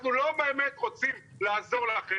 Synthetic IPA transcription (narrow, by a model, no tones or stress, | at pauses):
nulo̞beemet̪ʁot͡sim | laːzo̞ʁlaχe